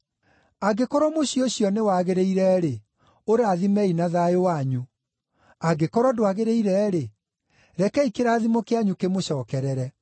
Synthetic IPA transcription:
aɡekɔɾɔmoɕioɕjɔnewaɣeɾeiɾɛɾe | oɾeaðimɛinaðaowaɲu | aɡekɔɾwɔdoaɣeɾeiɾɛːɾe | ɾɛkɛikeɾaːðimokeaɲukemoɕɔːkɛɾɛɾɛ

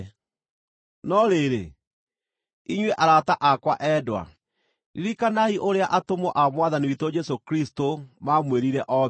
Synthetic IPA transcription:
nɔɾeɾe | iɲweʔaɾataʔakwaʔɛdwa̰ | niɾikanaiʔoɾeaʔatomɔʔamwaðaniwitod͡ʒɛsokɾistomamweɾiɾɛʔɔ

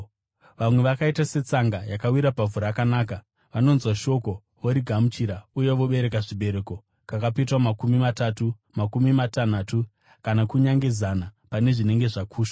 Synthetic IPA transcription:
ʋamwe̞ʋakaitase̞t͡saŋɡajakawiɾapavuɾakanaːka | ʋano̞nzwaʃo̞ko̞ | ʋoɾiɡʱamut͡ʃiɾauje̞ʋo̞ɓe̞ɾe̞kaʐiɓe̞ɾe̞ːko̞ | kakapet̬wamakumimatatu | makumimatan̤aːtu | kanakuɲaŋɡe̞zanapane̞ʐine̞ŋɡe̞ʐakʰuːʃḁ

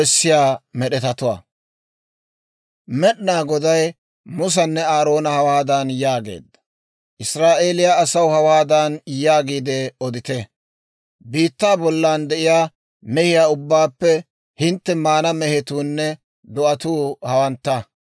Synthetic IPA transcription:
ɛsːɪjaːmɛɗɛt̪ɐt̪ʊwa̰ː | mɛɗnaːɡɔd̪ɐj | mʊs̬ɐnːɛaːɾo̞ːnɐhɐwaːd̪anjaːɡḛːd̪ːɐ̥ | ʔɪsɾaːʔeːlɪjaːsɐwhɐwaːd̪anjaːɡiːd̪ɛɔd̪ɪt̪ɛ | biːt̪ːaːbɔlːaːnd̪ɛʔɪjaː | mɛhɪjaːʊbːaːpːɛ | hɪnt̪ːɛmaːnɐmɛhɛt̪uːnːɛ | d̪ɔʔɐt̪uːhɐwɐnt̪ːɐ

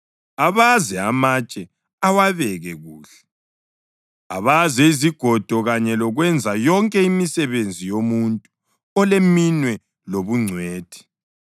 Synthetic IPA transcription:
aβazɛamat͡ʃʼɛ | awaβɛɣɛɣuːɬɛ̥ | a̰βazɛiziɡ̥ʱɔd̥ʱɔɣaɲɛlɔɣwɛnd͡zʱajɔŋkʼɛimisɛβend͡zʱijomuntʼu | ɔleminwɛ | loβuŋ͡ǀʱweːd̥ʱi̥

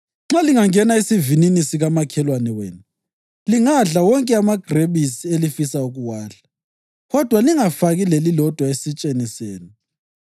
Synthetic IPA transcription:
ŋ͡ǁaliŋaŋɛnaisivininisiɣamakʰɛlwanɛwḛːnu | liŋaɮawɔŋkʼɛamaɡ̥ʱreβisielifisauɣuwaːɬḁ | ɣɔd̥ʱwaliŋafaɣilelilɔd̥ʱwaesit͡ʃʼeniseːni

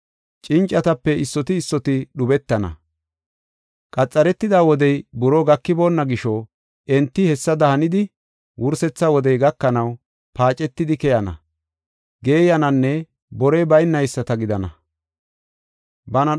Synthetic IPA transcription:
t͡ʃʼɪnt͡ʃʼːɐt̪ɐpːɛɪsːɔt̪ɪːsːɔt̪ɪɗʊbɛt̪ːɐnɐ̰ | kʼɐt͡sʼːɐɾɛt̪ːɪd̪aːwɔd̪ɛjbʊɾɔɡɐkːɪbo̞ːnːɐɡɪʃɔ | ʔɛnt̪ːɪhɛsːɐd̪ɐhɐnɪd̪ɪ | wʊɾsɛt͡sːɐwɔd̪ɛjɡɐkːɐnɐw | paːt͡ʃʼːɛt̪ːɪd̪ɪkɛjɐnɐ̰ | ɡe̞ːjɐnɐnːɛ | bɔɾɛjbɐjnːɐjsːɐt̪ɐɡɪd̪ɐnɐ̰ | bɐnɐ

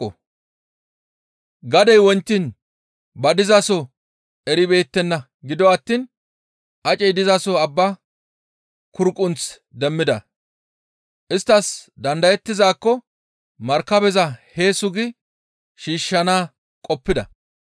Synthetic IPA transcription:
ɔ | ɡɐd̪ɛjwɔnt̪ːin | bɐd̪ɪzɐsɔ | ɛɾɪbe̞ːt̪ːɛnːɐ | ɡɪd̪ɔɐt̪ːiːn | ʔɐt͡ʃʼɛjd̪ɪzɐsɔɐbːa | kʊɾkʼːʊnt͡s | d̪ɛmːɪd̪ɐ̰ | ʔɪst̪ːɐsd̪ɐnd̪ɐjɛt̪ːɪzaːkːɔ | mɐɾkːɐbɛzɐhe̞ːsʊɡɪ | ʃiːʃːɐnaː | kʼɔpːɪd̪ɐ

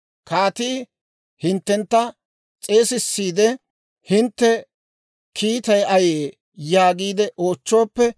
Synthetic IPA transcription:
kaːt̪iː | hɪnt̪ːɛnt̪ːɐ | t͡sʼe̞ːsɪsːiːd̪ɛ | hɪnt̪ːɛ | kʰiːt̪ɐjɐjeː | jaːɡiːd̪ɛʔo̞ːt͡ʃːo̞ːpːɛ

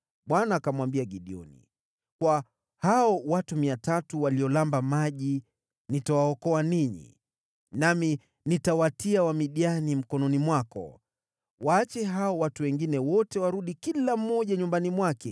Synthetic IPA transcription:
ɓwanaːkamwambiaɠiɗiɔ̰nḭ | kwa | haɔwatumiatatuwaliɔlambamaʄi | nitawaɔkɔaniɲḭ | nami | nitawatiawamiɗianim̩kɔnɔnimwakɔ̰ | waːt͡ʃɛɦaɔwatuwɛŋɡinɛwɔtɛwaɾuɗikilam̩ːɔʄaɲumbanimwakɛ

